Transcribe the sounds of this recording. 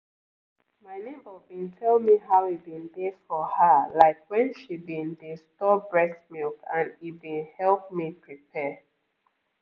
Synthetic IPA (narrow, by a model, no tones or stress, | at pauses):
maɪnebəbĩntʰɛlmiɦaʊibĩndefɔhəlaɪkwɛ̃nʃibĩndestɔbɹɛsmilkãnibĩnhɛlˠp̚mipʰɹipʰɛ